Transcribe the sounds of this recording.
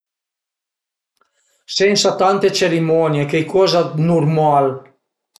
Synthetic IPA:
sɛnsat̪ant̪et͡ʃeɾimɔnjekejkʰɔzanurmal

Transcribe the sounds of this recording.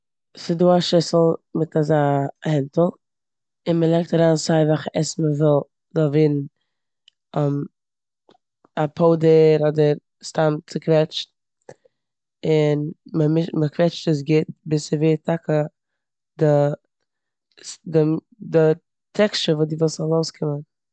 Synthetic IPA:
sɪduːaʃɪsl̩ˠmɪtʰazaːhɪntl̩ˠ | ɪnməlˠɛk̚taɾaːnsaɪvaχəʔɛsməvɪlˠ | zɔlˠviːdn̩ | ɔm | apʰoʊdəɾɔdəɾ | stamt͡sɪkvɛt͡ʃn | ɪnməmɪʃməkvɛt͡ʃtəs̬ɡɪt̚bɪsɪveːtʰakə | dɪ | sdɪ | dɪ | tʰɛkt͡ʃəvuːdɪvɪlˠzɔlˠoʊskʰɪmən

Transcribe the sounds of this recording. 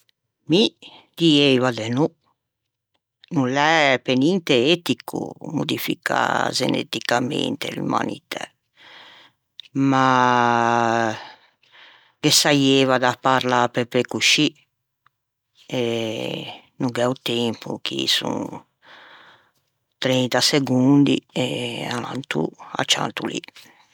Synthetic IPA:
mi | d̪iejvad̪enu | nulɛpenint̪eet̪ikʰṵmud̪ifika̰zḛnḛt̪ikamḛnt̪ḛlṵma̰nḭt̪ʰɛ̰ | ma | kesajevad̪apːaɾlapepɾekuʃi | ɛ | nuɡɛut̪ɛmpʰuk̟isṵ̃ŋ | t̪ɾɛnt̪aseɡund̪iɛala̰nt̪ua̰t͡ʃːa̰nt̪uli

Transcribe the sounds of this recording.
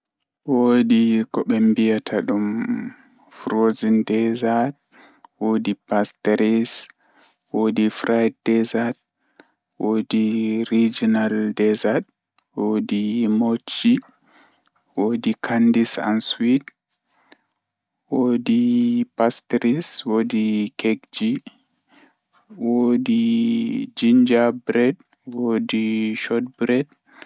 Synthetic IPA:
wodikɔɓɛmbijatʰaɗum | fɾozindɛzad̚ | wodipastɾis | wodifɾajd̚dɛzad̚ | wodiɾid͡ʒinaldɛzad | wodimot͡ʃːi | wodikʰandisa̰nswit | wodipastɾiswodikeɡd͡ʒi | wodi | d͡ʒiɲd͡ʒabɾɛd | wodiʃɔt̚bɾɛd̚

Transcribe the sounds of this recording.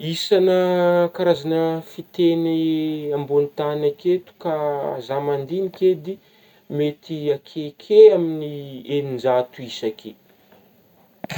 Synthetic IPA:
isanəkaɾazanəfit̪eniambunit̪anaket̪u̥kazamand̪iniked̪i | met̪iakʰekʰeaminienind͡ʒat̪uisakʰe

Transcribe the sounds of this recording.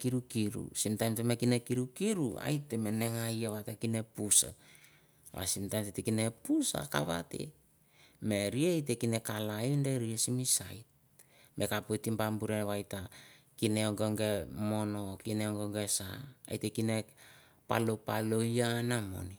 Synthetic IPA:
kiɾukiɾṵsimtajmtemekinekiɾukiɾua̰jteme̞ne̞ŋajaβatakinepusa̰ | βa̰simtajmtetekine̞pusa̰ka̰βa̰te̞̰ | me̞ɾiejt̬e̞kine̞kalaindeɾiesimisajt̚ | mʔe̞kapotimpambuɾenβajta | kineoŋɡoŋɡe̞mo̞no̞kineoŋɡoŋɡesaa̰jtekine | pa̰lopalo̞janamo̞̰ni

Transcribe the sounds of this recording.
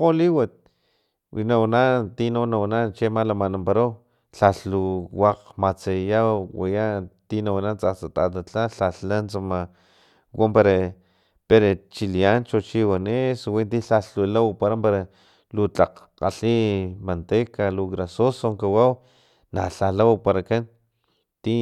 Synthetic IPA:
qoliwat̪̚ | wʔinawnat̪inawnawanant͡ʃemalamanampaɾaw | ɬaɬuwaqmat͡sejawwajat̪inawanant͡sat͡sat̪a̰t̪at͡ɬaɬaɬant͡sama | wampaɾa | peɾat͡ʃiliant͡ʃot͡ʃiwaneswint̪iɬaɬulawpaɾampaɾa | lut͡ɬaq | qa̰ɬimant̪ekaluɣɾasosoŋkawaw | na̰ɬalawpaɾakan | t̪i

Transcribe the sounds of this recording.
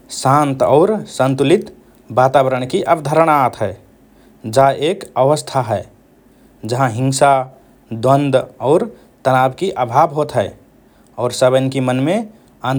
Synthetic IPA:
sãnt̪ɔʊɾsənt̪ulit̪ | bat̪abəɾəɳ̃kiʔəbd̪ʱəɾəɽ̃aːt̪ɦɛɪ | d͡ʒaʔekəʋəst̪ʰaɦɛɪ | d͡ʒəɦãɦĩŋsa | d̪wənd̪ɔːɾ | t̪ənabkiʔəbʱabɦot̪ɦɛɪ | ɔːɾsəbənkimənme | an

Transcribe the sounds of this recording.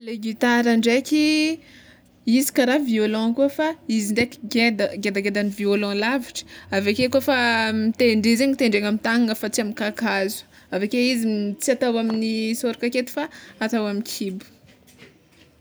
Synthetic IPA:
leɡit̪aɾaɳɖ͡ʐeki | izi̥kaɾaviolɔ̃kuəfaiziɳɖ͡ʐeki̥ɡed̪ɡed̪aɡed̪aniviolɔ̃laviʈ͡ʂə̥avekekufamit̪eɳɖ͡ʐezeɲit̪eɳɖ͡ʐeŋamint̪aŋaŋəfat͡siamikakazu̥ | avekeiziit͡siat̪awaminisoɾukaket̪i̥faːt̪awaminkʰibu̥

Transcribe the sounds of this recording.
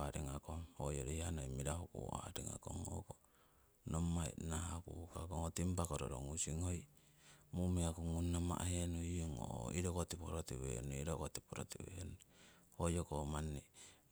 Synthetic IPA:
aɾiŋakomhojoɾeihanojmiɾahukṵa̰ɾiŋa̰ko̰ŋoko | nomːaḭnahakukakoŋot̪impakoɾoɾo̰ŋusiŋoj | mumiakuŋunːama̰ʔhenuioŋo̰iɾokot̪ipoɾot̪iwḛnuiɾokot̪i̥poɾot̪iwḛnu | hojokomanːi

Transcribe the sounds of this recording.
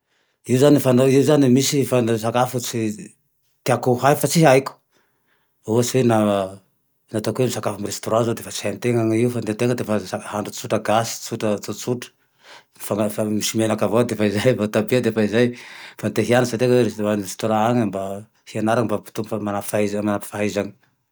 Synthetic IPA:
iuzanifanoiuzanimisifansakafut͡si | t̪iakuɦajfat͡siɦajku̥ | oat͡siwena | nat̪akuemisakafumirest̪oɾãzod̪efat͡siant̪eŋaŋiufant̪ent̪eŋəd̪efasahaɳɖ͡ʐut͡suʈ͡ʂəɡasi̥t͡suʈ͡ʂət͡sut͡suʈ͡ʂə̥ | fafamisimenakavad̪efaizajvat̪abead̪efaizajfant̪eɦianəsat̪ekeeanrest̪oɾãaŋimba | hianaɾaimbapi̥t̪umfamanapfaizmanapi̥faɦizaŋi̥

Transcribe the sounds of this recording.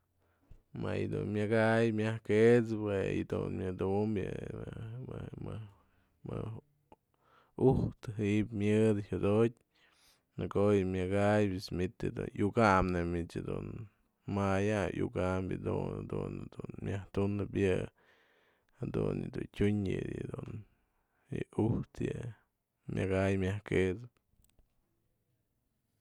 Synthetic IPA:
ma̰jd̪unmʲaɡajmʲjahket͡spejid̪unmʲjɨd̪umbjɨ | ɨmɨ | mɨ | uht̪ɨɦiʔpmjɨd̪hud̪ot̚ʲ | nɨkojɨmʲɨɡajbɨsmʲit̪ad̪ṵnjukamnemit͡ʃad̪un | majajuɡambʲjɨd̪unad̪ṵnad̪unmʲjaht̪unɨpjɨ | had̪unjɨd̪untʲuɲɨ̰jɨd̪un | jɨuht̪jɨ | mʲʔaɡajmʲjahked̪ɨ

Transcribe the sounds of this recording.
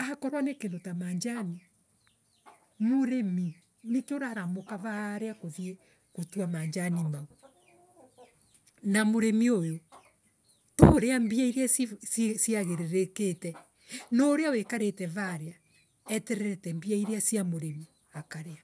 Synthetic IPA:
akɔɾwanekendotamaːɲd͡ʒani | moɾemi | nekeoɾaɾamokavaɾeakoðje | kotuamaɲd͡ʒanimao | namoɾemiojo | toɾeambiaiɾeasssiaɣeɾeɾeketɛ | nɔɾeawekaɾetɛvaɾea | ɛtɛɾɛɾɛtɛmbiaiɾeasjamoɾemi | akaɾea

